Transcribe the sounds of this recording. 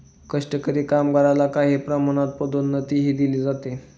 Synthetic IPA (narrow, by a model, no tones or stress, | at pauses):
kəʂʈəkəɾiːkamɡaɾalakaɦiːpɾəm̤unat̪̚pəd̪onːət̪iɦiːd̪iliːd͡zat̪e